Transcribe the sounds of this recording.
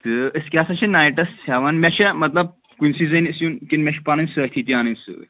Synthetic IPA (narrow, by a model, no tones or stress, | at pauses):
t̪ɨəskʲasɐt͡ʃʰinajʈɐsaʋanmʲɛʃɛmɐt̪lɐb̚ | kinsizɐnɨsjunkinmʲeʃpanɨnsɨjt̪ʰit̪iaːnɨnsɨ̰